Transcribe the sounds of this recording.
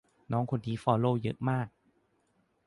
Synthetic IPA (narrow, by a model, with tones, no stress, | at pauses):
nɔː˦˥ŋkʰo˧nt̪ʰiː˦˥fɔː˧˩loː˧˩jɤ̰˦˥ʔmaː˥˩k̚